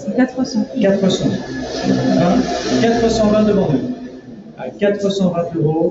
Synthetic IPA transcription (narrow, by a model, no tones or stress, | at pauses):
kat̪χəsɑ̃kat̪χəsɑ̃ | vãkat̪χəsɑ̃vɛ̃t̪əʁɑ̃d̪y | akat̪χəsɑ̃vɛ̃t̪øʁo